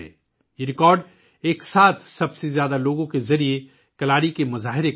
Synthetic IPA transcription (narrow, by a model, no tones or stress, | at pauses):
ɛ̰ː | jeɾɪkɔːɾɖ | eːksaːt̪ʰsɐbsezjaːd̪aloːɡõkezɐɾie | kɐlaːɽikemʊzaːɦɪɾe